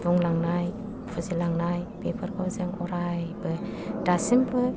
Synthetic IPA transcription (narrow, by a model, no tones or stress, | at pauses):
buŋlaŋnaj | pʰuzilaŋnajpepʰəɾkʰɔwzɯŋɔɾajbɯdasinbɯ